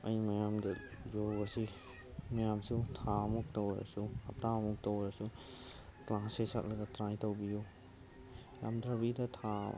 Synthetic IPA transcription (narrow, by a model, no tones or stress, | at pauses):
ɐjmajamdɐjɔɡasi | majamsutʰamuk̚tawja̰suɐp̚tamuk̚tɔwjasu | klãsesak̚lɐɡatɾãjtɔwbiju | ja̰mdɾabidɐtʰa̰